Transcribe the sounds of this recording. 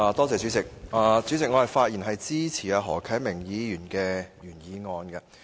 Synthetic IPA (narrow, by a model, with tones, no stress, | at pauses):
aː˨˧t̪ɔː˥t͡sɛː˨t͡sy˨˥t͡sɪ˨k̚aː˨˧t͡sy˨˥t͡sɪ˨k̚ŋɔː˨˧hɐ˨jfaː˧t̚jiː˨˩nɦɐ˨jt͡siː˥t͡sʰiː˨˩aː˧ɦɔː˨˩kʰɐ˨˥mɪ˨˩ŋjiː˨˧jyː˨˩nkɛː˧jyː˨˩njiː˨˧ŋɔː˧nkɐ˧